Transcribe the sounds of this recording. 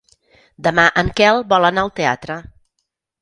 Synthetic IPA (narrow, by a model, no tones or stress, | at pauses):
d̪əmaʔəŋkɛlˠbɔlənaəlˠt̪ea̰t̪ɾə